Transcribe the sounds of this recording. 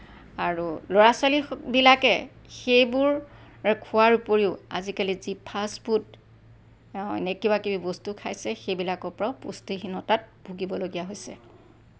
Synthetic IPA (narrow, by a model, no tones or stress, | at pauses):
aɹuloɹasalibilakɛ | xejbʊɹ | kʰuwaɹupoɹiʊa̰zikalizipʰasbut | ɛ̰nɛkibakibibɔstukʰajsɛxejbilakɔpɔɹaʊpṵstixinɔtat̚b̥ʱuɡibɔloɡijaɦojsɛ̰